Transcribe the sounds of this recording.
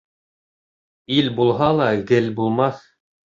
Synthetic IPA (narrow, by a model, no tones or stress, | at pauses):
ilʲbulˠɦɑlˠɑɡɘlbulˠmɑθ